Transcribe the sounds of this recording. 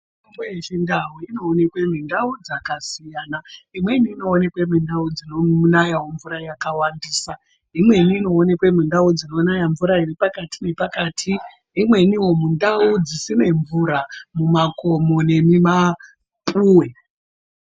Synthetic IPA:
imbeʃindawuino̞ːne̞kwem̤indaud͡zakasijaːnaimwe̞niːno̞ːne̞kwemindaud͡zinounajawoɱvuɾajakawandiːsa | imwe̞niːno̞ːne̞kwem̤indaud͡zino̞najaɱvuɾairipakatine̞pakaːtʰiː | mwe̞niwo̞mundaud͡zisine̞ɱvuɾamumako̞mo̞ne̞mima | pʼuːwe̞

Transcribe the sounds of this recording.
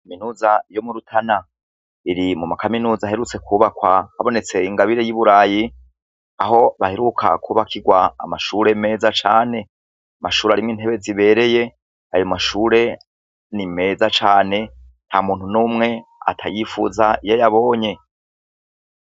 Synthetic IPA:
aminuːzajo̞muɾutʰana | iɾimumakaminuːzaahe̞ɾut͡se̞kuβakwahaβo̞ne̞t͡se̞iŋɡaβiɾe̞jiβuɾaːji | aɦo̞βahe̞ɾukʰa̰kʰuːβakʰiɡwa̰ːmaʃuːɾe̞me̞ːzat͡ʃaːne̞ | amaʃuːɾaɾimŋiːn̥heβe̞ziβe̞ːɾe̞je̞ | ajo̞maʃuːɾe̞ | nime̞ːzat͡ʃaːne̞ | n̥hamuːnhunuːmŋe̞a̰tʰajifṵzaijojaβo̞ːɲe̞

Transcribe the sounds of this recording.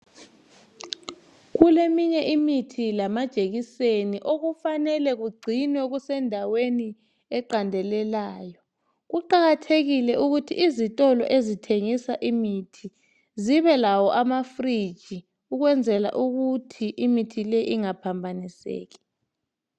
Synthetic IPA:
ɣulemiɲɛʔimitʰilamad̥ʒ̥ʱeɣiseniʔoɣ̬ufanɛlɛɣ̬uɡ͡ǀʱinɛɣ̬usɛndʱaweni | ɛǃandʱɛlɛlaːjɔ | ɣ̬uǃaɣatʰeɣilɛʔuɣ̬utʰḭizitʼɔlɔ̰ʔezitʰeŋisaʔimitʰi | ziβɛlawɔʔamafrid̥ʒ̥ʱi | uɣ̬wɛnd͡zʱɛla̰ʔuɣutʰiʔimitʰileiʔiŋapʰambʱanisḛːki̥

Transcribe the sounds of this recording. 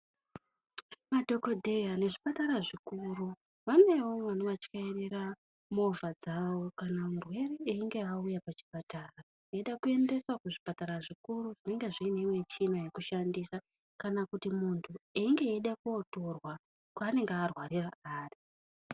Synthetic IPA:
madʱo̞ko̞dʱejane̞ʐipataɾaʐikuru | ʋane̞woʋanoʋat͡ʃi̥kaerera | mo̞vad͡zawo̞kanamurwe̞reeiŋɡe̞aujapat͡ʃi̥pataːra | eɗakue̞nde̞swakuʐipataɾaʐikuɾuʐine̞ŋɡe̞ʐiːneimwe̞t͡ʃinaje̞kuʃandisa | kanakutimuntʰueiŋɡe̞ːɗakuoto̞rwa | kwaːne̞ŋɡearwariraaːri

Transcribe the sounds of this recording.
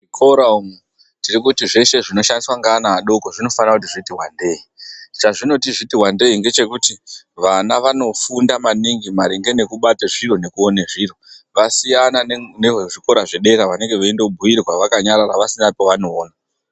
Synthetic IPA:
ʐikʰoɾaumu | tirikutiʐe̞ʃe̞ʐino̞ʃandiswaŋɡaːnaːɗo̞koʐino̞fanirakutiʐitiwande̞ːit͡ʃaʐino̞tiʐitiɦwande̞iŋɡe̞t͡ʃe̞kuti | ʋanaʋano̞fundamaniŋɡimaɾiŋɡe̞ne̞kuɓateʐiro̞ne̞kuoneʐiro̞ʋasijananeʐiko̞ɾaʐeɗe̞ɾaʋane̞ŋɡe̞ʋaendoubʱujirɣwaʋakaɲaɾaɾaʋasinapoʋano̞ːna

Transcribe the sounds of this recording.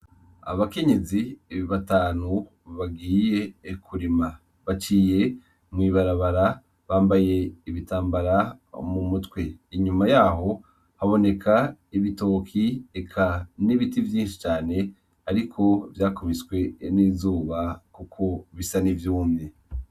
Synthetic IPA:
a̰βake̞ɲe̞ziβataːnu | βaɡiːje̞kʰuɾima | βat͡ʃiːje̞ | mwiːβaɾaβaɾa | βaːmbaje̞iβitaːmbaɾamumutwe̞iɲumajaːho̞ | haβo̞ne̞kʰaiβito̞ːkʰiekʰaniβitivjĩːnʃi̥t͡ʃaːne̞ | aɾikʰo̞vjaːkomiswe̞niːzuːβakukʰo̞βisanivjuːmɲe̞

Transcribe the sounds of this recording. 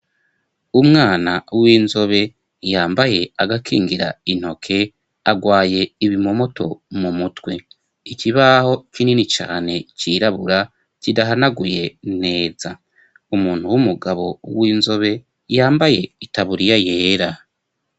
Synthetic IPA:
umŋaːnawiːnzo̞βe̞ | jaːmbaje̞aɡakʰiːŋɡiɾa̰in̥ho̞kʰe̞ | aɡwaːje̞iβimo̞mo̞to̞̰mumutwe̞ | iciβaho̞kininit͡ʃa̰ːne̞ciɾaβuɾa | cidaɦanaɡuje̞ne̞ːza | umuːn̥huwumuɡaβo̞wiːnzo̞βe̞ | jaːmbaje̞itaβuɾijajeːɾa

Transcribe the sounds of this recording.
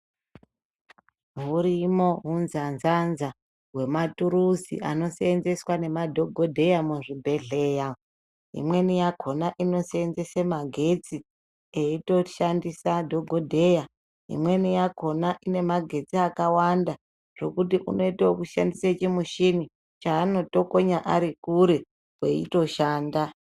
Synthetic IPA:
ɦuɾimo̞ɦunzanzanza | ɦwe̞matuɾusḭʔano̞seːnze̞swane̞madʱo̞ɡʱodʱe̞jamuʐibʱe̞ɮe̞ja | ɦḭmwe̞nijakʰo̞naʔino̞seenze̞semaɡʱe̞t͡si | eitoʃandisadʱoɡʱo̞dʱe̞ja | ɦḭmwe̞nijakʰo̞naʔine̞maɡʱe̞t͡siakawanda | ʐ̥o̞kutiʔṵno̞itaokuʃandiset͡ʃimuʃini | t͡ʃaːno̞to̞koɲaʔaɾikuɾe̞ | wweḭto̞ʃaːnda

